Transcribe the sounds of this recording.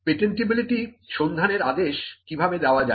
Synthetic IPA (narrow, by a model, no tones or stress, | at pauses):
peʈeɳʈibiliʈi | ʃond̪ʱaneɾad̪eʃkibʱabed̪eoad͡ʑa